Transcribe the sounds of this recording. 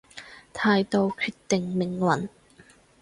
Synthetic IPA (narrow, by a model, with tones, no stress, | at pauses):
t̪ʰaː˧jt̪o˨˧wkʰyː˧tt̪ɪ˨ŋmɪ˨˩ŋwɐ˨˩˦n